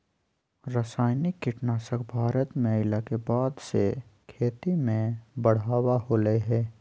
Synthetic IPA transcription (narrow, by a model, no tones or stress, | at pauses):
ɾəsaːɪnɪkːɪʈnaːsəkbʱaːɾət̪mẽɪlakebaːd̪sḛkʰeːt̪imẽbəɽ̤aːwahoːləeɦɛː